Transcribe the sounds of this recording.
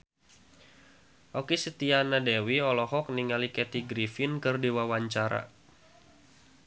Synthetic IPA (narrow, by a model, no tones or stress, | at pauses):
ʔɔkisət̪ianadewiɔlɔɦɔk̚niŋalikɛt̪iɡɾifɪnkɨrdiwawaɲt͡ʃaɾa̰